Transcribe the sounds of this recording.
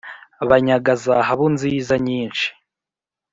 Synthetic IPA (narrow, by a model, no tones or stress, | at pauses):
βaɲaɡazaɦaβunziːzaɲiːnʃi̥